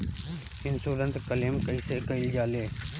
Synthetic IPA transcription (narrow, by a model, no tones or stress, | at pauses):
ɪnsuːɾə̃nt̪ɾkəleːmkəiseːkəɪld͡ʒaːleː